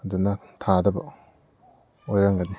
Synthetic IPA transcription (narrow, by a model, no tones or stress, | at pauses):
ɐdunɐ | tʰadɐbɐ̰ | ojɾaŋɡɐdi